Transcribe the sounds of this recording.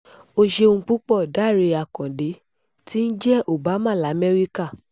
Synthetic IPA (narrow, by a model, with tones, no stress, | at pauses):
o˧ʃe˧ũ˧k͡pu˦k͡pɔ˦˨da˦˨ɾe˧a˨kɔ̃˨de˨˦ | ti˦n̩˦d͡ʒɛ˦ʔo˨ba˨˦mã˦˨la˨˦˨mɛ˦ɾi˦ka˦˨